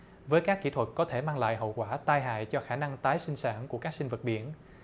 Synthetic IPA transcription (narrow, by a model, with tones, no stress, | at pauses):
vəː˨˦jkaː˦˥kːḭ˧˩˥t̪ʰwə˨˩t̚kɔ˨˦t̪ʰe˧˩maː˧ŋla̰ː˧˨jɦə̰˧˨wkwaː˧˩t̪aː˧jɦa̰ː˧˨jt͡ɕɔ˧xaː˧˩na˧ŋt̪aː˨˦jsï˧ŋ̟saː˧˩nku˧˩əkaː˦˥k̚si˧ŋ̟və˨˩t̚ɓi˧˩ən